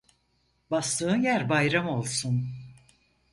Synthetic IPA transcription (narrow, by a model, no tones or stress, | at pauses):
bast̪ɯːnjæɾbajɾamo̞lˠsun